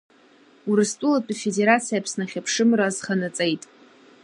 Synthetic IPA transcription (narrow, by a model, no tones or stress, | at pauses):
uɾɨstʼulatʷʼafede̞ɾat͡sʰijapʰsnaχʲapʰʂɨmraːzχanat͡sʼejtʼ